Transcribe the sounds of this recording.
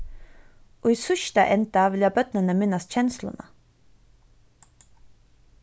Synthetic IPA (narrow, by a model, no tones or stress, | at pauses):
ʔoːiːsʉʃt̪ɑʔɛnt̪ɑʋɪljɑːbœt̪nənəmɪnɑsc͡çɛnslʊ̰nə̰